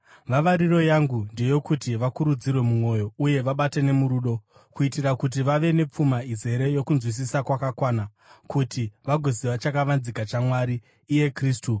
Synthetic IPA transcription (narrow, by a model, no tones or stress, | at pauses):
ʋaʋaɾiro̞jaŋɡunde̞jo̞kutiʋakuɾud͡zirwe̞mumo̞jo̞uje̞ʋaɓate̞ne̞muɾuːɗo̞ | kuitirakut̬iʋaʋe̞ne̞p͡fumaize̞ɾe̞jo̞kunzwis̬isakwakakwaːna | kʰutiʋaɡʱo̞ziʋat͡ʃakaʋanzikat͡ʃamwaɾiː | je̞kriːstu